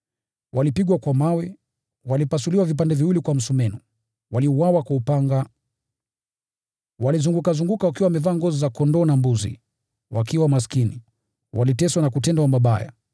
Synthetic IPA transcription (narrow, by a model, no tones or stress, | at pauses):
walipiɡwakwamawɛ | walipasuliwavip̬andɛviwilikwam̩sumɛnɔ | waliuwawakwaupaŋɡa | walizuŋɡukazuŋɡukawak̬iwawamɛvaːŋɡɔzizakɔndɔːnambuzḭ | wakiwamas̬kini | walitɛswanakutɛndawamaɓaja̰